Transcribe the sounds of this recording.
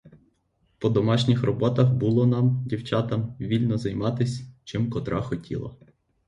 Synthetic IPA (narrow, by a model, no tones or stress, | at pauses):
pɔd̪ɔmɑʃnʲɪxrɔbɔt̪ɐxbulˠɔnɑmdʲiwt͡ʃɑt̪ɐmʋʲilʲnɔzɐjmɑt̪ɪsʲt͡ʃɪmkɔt̪ɾɑxɔtʲḭlˠɐ̰